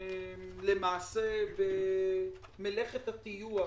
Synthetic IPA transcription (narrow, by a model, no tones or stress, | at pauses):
le̞maːsebe | meleχet̪hat̪ijua